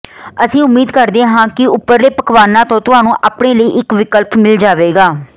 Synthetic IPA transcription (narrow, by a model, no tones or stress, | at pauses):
əsĩːʊmiːd̪kəɾd̪ẽɦãːkɪʊpːəɾleːpəkʋaːnãːt̪õːt̪ʊɦaːnũːʔaːpɳeːləiːʔɪkʋɪkəlpmɪld͡ʒaːʋeːɡaː